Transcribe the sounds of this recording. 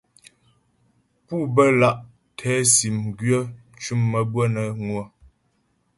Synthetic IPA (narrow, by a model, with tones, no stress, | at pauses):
pu˦˨bə˦la˦˨ʔ | tʰɛ˨˦si˨mɡɥə˦t͡ʃu˦mːə˨bwə˦nə˨ŋwə˨